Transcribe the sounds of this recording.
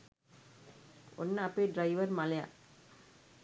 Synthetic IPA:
ɔnːəɐpːeːɖɾɐɪʋɐɾmɐlɐja̰ː

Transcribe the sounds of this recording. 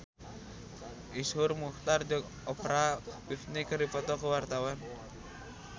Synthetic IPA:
ishʊrmuht̪ard͡ʒɔɡ | ɔpɾabifnikərdipɔt̪ɔkəwart̪awan

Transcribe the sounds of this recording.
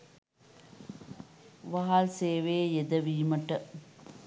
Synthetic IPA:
ʋɐɦaːlseːʋeːjɛd̪ɐʋiːmɐʈːɐ

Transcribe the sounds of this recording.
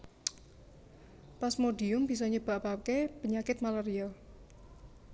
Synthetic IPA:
pasmoɖiʊmb̥isɔɲəb̥a̤ʔpakepəɲakɪt̪̚malɛɾia

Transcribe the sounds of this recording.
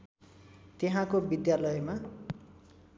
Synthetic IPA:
t̪eɦãkobid̪jalʌjma

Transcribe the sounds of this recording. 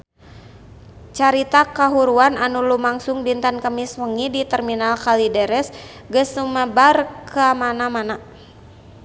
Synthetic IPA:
t͡ʃaɾit̪akaɦuɾuananulumaŋsuŋbint̪ankəmiswəŋidit̪ərminalkalidɛɾɛs | ɡəsuməbarkʰamanamana

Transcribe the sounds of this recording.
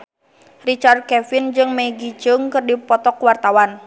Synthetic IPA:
rit͡ʃard̪̚kɛfind͡ʒɨŋmɛɡid͡ʒɨŋkɨrdipɔt̪ɔkwart̪awan

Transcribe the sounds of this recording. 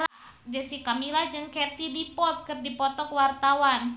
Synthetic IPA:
ad͡ʒasikamilad͡ʒəŋkɛt̪idipɔt̪̚kɨrdipɔt̪ɔkwart̪awan

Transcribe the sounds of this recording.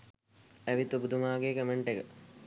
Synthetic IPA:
æʋit̪ubud̪umaːɡeːkəməɳʈekə

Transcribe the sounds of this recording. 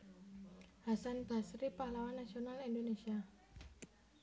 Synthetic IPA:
hasanb̥a̤sɾipahlawanːasionalindonesia

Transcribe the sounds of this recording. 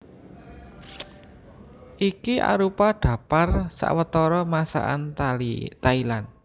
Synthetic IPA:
ʔikiʔa̰ɾupaɖ̥ä̤parsa̰ʔwət̪ɔɾɔmasa̰ʔa̰nat̪ailan

